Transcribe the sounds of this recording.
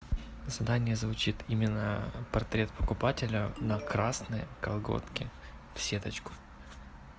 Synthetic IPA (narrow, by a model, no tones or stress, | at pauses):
zɐd̪anʲɪjəzvʊt͡ɕit̪imʲɪnːəpɐrt̪ɾʲe̞t̪̚pəkʊpatʲɪlʲənɐkɾasnɨjəkɐlˠɡo̞̰t̪kʲɪ | fsʲet̪ət͡ɕkʊ̥